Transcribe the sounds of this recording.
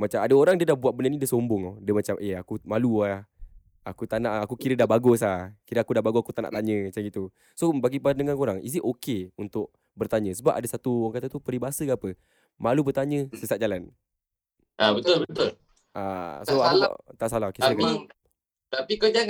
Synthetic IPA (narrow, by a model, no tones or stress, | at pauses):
mat͡ʃamadəoɾaŋdiədahbuaʔ̪̚bənanĩdiəsombʊŋodiəmat͡ʃamʔeakumaluah | akut̪anaʔakukiɾədahbaɡʊsakiɾəakudahbaɡuakut̪ana̰ʔt̪aɲə̃mat͡ʃaɡit̪u | sobaɡipənəŋankoɾaŋis̬iʔokeunt̪ʊʔ̚ | bərt̪aɲə̃səbap̚ʔadəsat̪uaŋkat̪at̪upəɾibaasəkaapə | malubərt̪aɲə̃səsat̪̚d͡ʒalan | ʔabət̪ʊlbət̪ʊl | ʔa̰soaut̪aʔsalaɦokesak | t̪apikod͡ʒaŋ